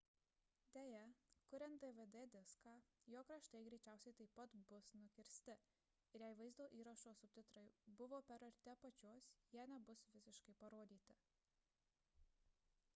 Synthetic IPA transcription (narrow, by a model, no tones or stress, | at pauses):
d̪ʲeːjɛkʊɾʲɛnt̪̚d̪eʋed̪ed̪ʲɪskɑːjoːkɾɐʃt̪ɐɪɡɾʲɛɪt͡ʃʲæˑʊsʲɛɪt̪ɐɪpːɐt̪bʊsnʊkʲɪɾʲsʲt̪ʲɪ | ɪɾjæɪʋɐɪzd̪oːʔiːɾɐʃoːsʊpʲt̪ʲɪt̪ɾɐɪbʊʋoːpʲɛɾɐɾʲt̪ʲɛpɐt͡ʃʲoːsjiːnʲɛbʊsʋʲɪsʲɪʃkɐɪpɐɾoːd̪ʲiːt̪ʲɪ